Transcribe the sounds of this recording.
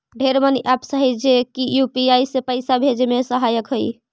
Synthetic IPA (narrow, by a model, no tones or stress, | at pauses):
ɖʱeɾməniʔapsəɦid͡ʒekijupiajsepəjsabʱed͡ʒmesəɦajəkɦəj